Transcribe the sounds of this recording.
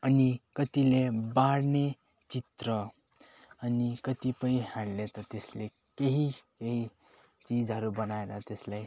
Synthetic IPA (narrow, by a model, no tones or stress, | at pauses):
ʌnikʌt̪ilebaɽne | t͡sit̪rʌ | ʌnikʌt̪ipʌĩɦaɽlet̪ʌt̪esle | keɦikeɦi | t͡sid͡zɦʌɾubʌnaeɾʌt̪eslaj